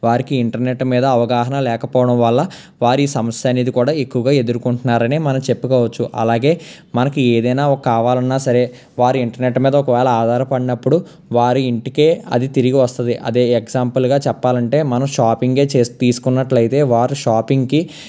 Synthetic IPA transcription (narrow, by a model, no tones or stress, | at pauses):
ʋaːɾikiiɳʈɐɾneʈːmiːd̪ɐːʋɐɡaːɦɐnɐlɛːkɐpɔːʋɐɽɐmʋɐɭːɐ | ʋaːɾiːsɐmɐsjaːniːd̪ikuːɽaːekːuʋɐɡaːe̞d̪uɾukuɳʈunːaːɾɐneːmɐnɐmt͡ʃe̞pːukaːʋɐt͡ʃːuʔɐ̰laːɡe̞ː | mɐnɐkieːd̪ɐjnaːkːaːʋaːlɐnːaːsɐɾe̞ː | ʋaːɾiiɳʈɐɾneʈːmiːd̪ɐɔkɐʋɛːlɐaːd̪ʱaːɾɐpɐɽinɐpːuɽu | ʋaːɾuiɳʈike̞ːɐ̰d̪it̪iɾiɡiʋɐst̪und̪iʔɐ̰d̪eːeɡzaːmpɐlɡaːt͡ʃɛpːaːlɐɳʈe̞ːmɐnɐmʃaːpiŋɡe̞ːt͡ʃeːst̪iːsu̥kunːɐʈlɐjit̪e̞ːʋaːɾuʃaːpiŋɡki